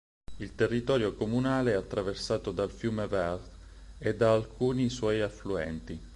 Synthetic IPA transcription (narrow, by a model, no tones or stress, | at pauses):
ilt̪erːit̪ɔːɾjokomunaːleɛat̪ːɾaversaːt̪od̪alfjuːmevɛrt̪ | ed̪ːaːlkʰuːniswɔjafluɛ̰nt̪i